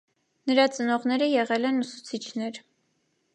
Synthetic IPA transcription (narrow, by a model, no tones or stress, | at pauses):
nəɾɑt͡sənɔʁnɛɾəjɛʁɛlɛnusu̥t͡sʰit͡ʃʰnɛɾ